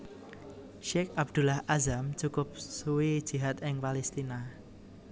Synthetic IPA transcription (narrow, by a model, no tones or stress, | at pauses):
ʃekab̚d̪̥ṳlahʔazamt͡ʃukʊp̚suwid̥ʒ̥i̤ɦat̪ɪŋpalɛst̪ina